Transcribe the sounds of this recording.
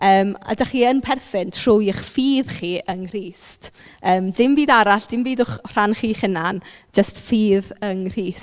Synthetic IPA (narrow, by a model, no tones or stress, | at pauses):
əːma̰daχiːənpʰɛrθɪntʰr̥ʊjɪχfiːðχiːʔəŋr̥iːstəːmdɪmbiːdaɾaɬd̥ɪmbiːdʊχr̥anχiːχɪnand͡ʒəstfiːðəŋr̥iːs